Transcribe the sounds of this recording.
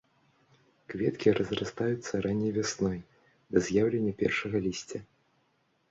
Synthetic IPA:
kvʲɛt̪kʲiɾɐzrast̪ajut̪sːɐɾʔanʲːɛjvʲasnɔj | d̪ɐzʲjawlʲenʲːɐpʲɛ̰rʂɐɣɐlʲisʲt͡sʲɐ

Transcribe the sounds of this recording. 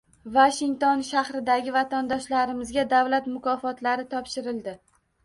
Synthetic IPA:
vaʃɪŋt̪onʃahɾɪd̪aɡʲɪvat̪ʰand̪ɒʃlaɾɪmɪzɡʲad̪avlat̪mʊkʰɒfɒt̪laɾɪt̪ʰɒpʃɪɾɪld̪ɪ

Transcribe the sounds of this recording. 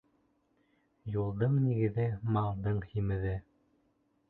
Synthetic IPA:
julˠd̪ɤɴniɡɘ̆ðɘmɑlˠd̪ɤɴhimɘ̆ðɘ

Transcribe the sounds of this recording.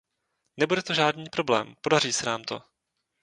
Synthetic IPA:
nɛbudɛt̪o̞ʒaːdniːpɾo̞blɛ̰ːmpo̞dar̝iːsɛnaːmt̪o̞̰

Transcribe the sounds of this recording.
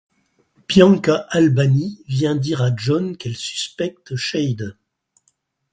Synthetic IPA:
pjɑ̃kaʔalbanivjɛ̃d̪iʁaʒɔnkɛlsy̥spɛk̚t̪ʃɛjd̪

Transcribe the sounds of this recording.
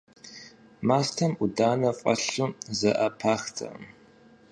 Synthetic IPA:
maːstʰɐmʔudaːnɐqʷʼɐ̰ɬuzɐʔɐpʰaːxtʰɐ̰m

